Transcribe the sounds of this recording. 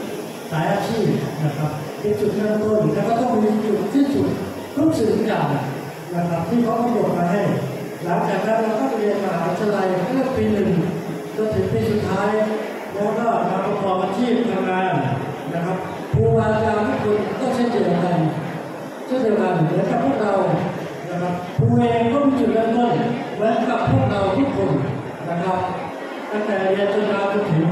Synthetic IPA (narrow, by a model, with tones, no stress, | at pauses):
saː˩˦jʔaː˧t͡ɕʰiː˥˩p̚na˧˩kʰa˦˥p̚ | ʔe˧t͡ɕu˨˩t̪̚kaː˥˩˧t̪o˥˩n˨˩nɛː˥˩kʰa˥˩t̪ɔ˥˩ŋ˧miː˧t͡ɕu˨˩t̪̚t̪ʰiː˥˩t͡ɕu˨˩t̪̚ | ɾuː˦˥˩k̚sɯ˨˩˧t͡ɕaː˨˩k | na˧˥kʰɾa˦˥p̚t̪ʰiː˥˩kʰa˦˥wpʰa˧˥˩ko˨˩t̪̚maː˧ɦa˥˩j | la˩˦ŋt͡ɕaː˨˩k̚na˦˥ka˧˦˥wkʰɔː˥˩t͡ɕa˧ʔi˧nka˧a˨˧˦ʔa˦˥t̪ʰːa˧la˧ja˥˩piː˧nɯ˨˩ŋ | t͡ɕa˧˩t̪ʰɯ˨˩˦ŋpiː˧su˨˩t̪ʰːaː˦˥j | bɔː˧˥ŋkaː˥˩˨ma˧˩a˧˩kʰwaː˧mʔaː˧t͡ɕʰiː˥˩p̚t̪ʰaː˧mŋaː˧n | na˦˧kʰa˦˥p̚ | pʰuː˧waː˧la˧kaː˧t̪ʰaː˥˩kʰo˧nkɔː˥˩t͡ɕʰaː˦˥˩t͡ɕe˧˩nʔa˧ɾa˧j | t͡ɕaː˥˩t̪ʰa˨˧˦laː˧˩n˨˩wɛː˨˦nka˨˩pʰːu˥˩ək̚ɾa˧w | na˧˩kʰa˦˥p̚pʰːuː˧ʔeː˧ŋkɔː˥˩mi˧˥˩ju˨˩laː˧˥k̪o˧˩j | wɛ˦˥nka˨˩pʰːu˥˩ək̚ɾa˧wt̪ʰiː˥˩kʰo˧˩n | na˧˩kʰa˦˥p̚ | t̪a˥˩ŋt̪ɛː˨˩jaː˧t͡ɕo˧ndaː˧t͡ɕa˧˩t̪ʰɯ˨˦